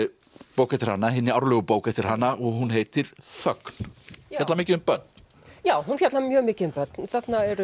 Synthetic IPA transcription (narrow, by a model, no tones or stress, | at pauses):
poːwkɛt̪ɪɾ̥hanːaɦɪnːɪaɾlœɣʏpoːwkaɛt̪ɪɾ̥hanːaɔɣɦunɦejt̪ɪɾ̥θœkn̥at̪lamɪːcɪʏmpœt̪̚n | jaːwhunfjat̪lamjœːɣmɪːcɪðʏmpœt̪nθat̪naɛɾ